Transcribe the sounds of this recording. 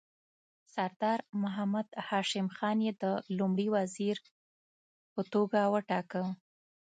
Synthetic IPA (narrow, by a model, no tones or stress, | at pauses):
saɾd̪ɑɾmʊɦamad̪hɑʃɪmxɑnjed̪əlumɽiwaziɾ | pət̪oɡawəʈɑkə